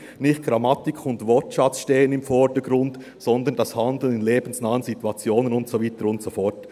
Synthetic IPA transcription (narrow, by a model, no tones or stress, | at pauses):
nɪχt̚ɡ̥ɾɑmɑtɪkʰʊntvɔtʃɑt͡sʃteːənɪmfɔɾdəɡɾʊnd | sɔnd̪əndɑshɑndl̩nɪnleːbn̩snɑːənsitwɑt͡sjoːnənʊntsoviːtəɾʊntsofɔt